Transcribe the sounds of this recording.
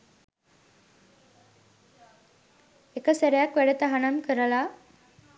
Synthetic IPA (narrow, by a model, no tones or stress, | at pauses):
ekːɐseɾɐjakʋeɽɯt̪ːɐɦɐɳɐmkɪɾɐlaː